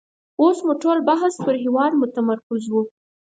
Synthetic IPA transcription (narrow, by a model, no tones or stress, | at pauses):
osmuʈolbaɦaspəɾɦɪwɑd̪mʊt̪amaɾkɪzwu